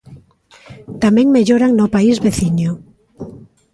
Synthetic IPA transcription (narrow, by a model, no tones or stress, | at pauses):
t̪amẽŋmeʎoɾaŋnʊpaizβeθiɲo